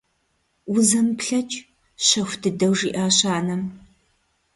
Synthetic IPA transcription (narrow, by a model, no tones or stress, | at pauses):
wʊzɐmpɬɐt͡ʃʼ | ɕɐxʷdɨdɐwʐiːʔaːɕaːnɐm